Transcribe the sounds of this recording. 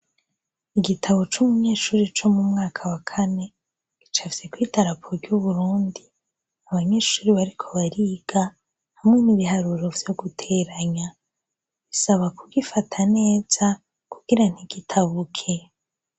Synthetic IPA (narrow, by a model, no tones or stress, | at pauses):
iɡitʰaβo̞t͡ʃumuɲe̞ːʃuːɾit͡ʃo̞mumŋaːkʰawakʰane̞ | ɡ̥it͡ʃavsekwiːtaɾapʰoɾɟuβuɾuːndi | aβaɲe̞ːʃuːɾiβaɾikʰo̞βaɾiːɡ̥a | hamŋeniβiɦaɾuɾo̞vjo̞ɡutʰe̞ːɾaɲa | ɡ̥isaβakuɡifatʰane̞ːz̥a | kuɡ̥iɾan̥iɡ̥itʰaβukʰe̞